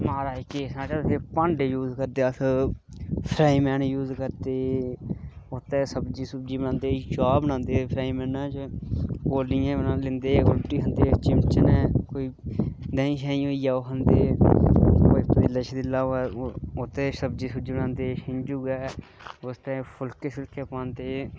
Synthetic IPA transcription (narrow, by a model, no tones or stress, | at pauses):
maːɾaːikeːsnãːt͡ʃaːsʰeːpə̃ɳɖejuːzkəɾd̪eːəsʰ | pʰɾaːiːmɛːnjuːzkəɾd̪eː | ʊt̪ɛ̃ːsəbd͡ʒiːsʊb̚d͡ʒiːbənãːnd̪eːt͡ʃaːbənãːnd̪eːpʰɾaːiːmɛːnãːt͡ʃkoːliːãːnːlɪnd̪eːɡolʈiːɦənd̪eːt͡ʃɪmt͡ʃənɛːkoːiːd̪aːĩːʃaːĩːoːijaːoːɦənd̪eː | opəd̪eːlət͡ʃʰd̪ɪlaːɛʊt̪eːsəbd͡ʒiːsʊbd͡ʒiːbənãːnd̪eːʃɪɲd͡ʒuːɡɛːʊst̪ɛːpʰʊlkesɪlkʰeːpãːnt̪eː